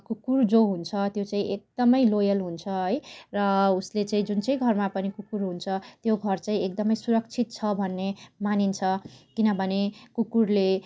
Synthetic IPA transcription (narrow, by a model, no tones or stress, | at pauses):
kukurd͡zoɦunt͡sʰʌt̪jot͡saĩʔek̚d̪̥ʌmʌjlojʌlɦunt͡sʰʌɦʌjrʌuslet͡saĩd͡zunt͡sʌj̃ɡʱʌrmapʌnikukuɾɦunt͡sʰʌt̪joɡʱʌrt͡saĩek̚d̪ʌmʌjsuɾʌkt͡sʰit̪̚t͡sʰʌbʱʌnːemanint͡sʰʌkinʌbʱʌnekukurle